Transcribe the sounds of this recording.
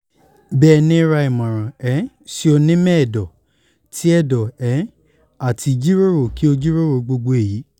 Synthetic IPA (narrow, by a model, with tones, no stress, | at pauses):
bɛː˦˨˧nĩ˦ɾa˧i˨mɔ̃˨ɾ̃ɔ̃˨ɛ˨˦ | si˦o˧nĩ˦mɛ̃˦˨dɔ˨ | tʰi˦ɛ˦dɔ˨ɛ˨˦ | a˨tʰi˧d͡ʒi˦ɾo˦ɾo˨ki˨˦o˧d͡ʒi˦ɾo˦ɾo˧˨ɡ͡bo˧ɡ͡bo˧e˨ji˨˦